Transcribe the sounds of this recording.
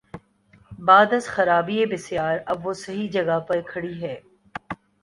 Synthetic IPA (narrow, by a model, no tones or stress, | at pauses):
baːd̪ɐsxɐɾaːbiebɪsjaːɾɐbʋosɐɦid͡ʒɐɡapɐɾkʰɐɽiɦɛː